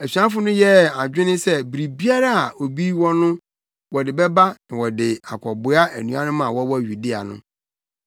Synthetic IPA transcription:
æ˨ɕᶣã˦fʊ˦nʊ̃˦jɛ˦a˨d͡ʑᶣɪ˦nɪ̃˦sɛ˦bɾi˨bi˦a˦ɾa˦a˨o˨bi˦wɔ˦nʊ̃˦ | wɔ˨dɪ˨bɛ˦ba˦nã˨wɔ˨dɪ˨a˨kʰɔ˨bʊ˦a˦æ̰˨nũ˨˦a˦nʊ̃˦mã˨wɔ˦wɔ˦ɥu˨di˦a̰˨nʊ̰̃˦

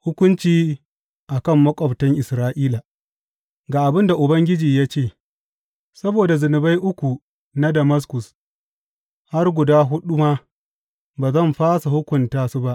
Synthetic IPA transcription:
hʊ˦kʷʊ˦nt͡ʃiː˦ | ʔa˨kɐ˦˨mːɐ˦kʷʼɔ˨btɐ˦ŋʔɪ˨sɾaː˦ʔiː˦la˨ | ɡaː˨ʔa˨bɪ˦nda˨ʔʊ˨bɐ˦ŋɡʲɪ˦d͡ʒiː˨jaː˦t͡ʃeː˦˨ | sɐ˦boː˨da˨zɪ˨nɪ˨ba˦jʔʊ˦kʷu˨ | na˦dɐ˨mɐ˦s̬kʊ˨s | ha˦rɡʷʊ˨daː˦ɦʊ˦ɗu˦ma˦ | baː˨zɐ˦˨mɸaː˦sa˨hʊ˦kʷʊ˨ntaː˦su˦ba˦ʔ

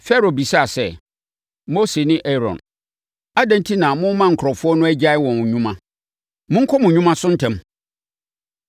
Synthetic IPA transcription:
fɛ˦ɾo˨bi˨sa˦a˨sɛ˦ | mo˦se˨nɪ̃˦ʔɛ˦ɾɔ̰̃˨n | a˦dæ̃˦n˦tʰi˦nã˨mʊ̃˦mã˦ŋ̩˨kʰɾɔ˨fʊ˦ɔ˦nʊ̃˦æ˦d͡ʑa˦ɪ˦wɔ̃˨n˨ɲũ˦mã˦ | mʊ̃˦ŋ̩˦kʰɔ˦mʊ̃˨ɲᶣũ˦mã˦sʊ̃˦n̩˦tʰɛ̃˨m

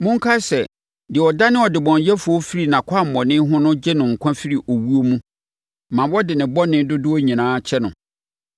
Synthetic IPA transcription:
mʊ̃˦ŋ̩˦kʰa˦sɛ˨ | dɪ˨ɔ˨da˦nɪ̃˦ɔ˨dɪ˨bɔ̃˨n˨jɛ˦fʊ˨ɔ˦fi˦ɾi˨nã˨kʰa˦˨m̩˨mɔ̃˨nɪ̃˦ɦʊ̃˦nʊ̃˦d͡ʑɛ˦nʊ̃˨ŋ̩˨kʷʰã˦fi˦ɾi˨ʔo˨wu˦o˦mũ˦˨ | mã˨wɔ˦dɪ˨nɪ̃˨bɔ˦nɪ̃˦dʊ˦dʊ˦ɔ˦ɲĩ˨nãː˦t͡ɕʰɛ˦nʊ̃˨

